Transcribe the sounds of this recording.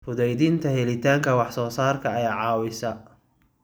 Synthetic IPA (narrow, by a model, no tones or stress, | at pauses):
fʊðɛjðɪnt̪ʰɐɦɛlɪt̪ʰaːŋkʰɐwɑħsɔːsaːrkʰɐɐjaːʕɑːwɪsɐ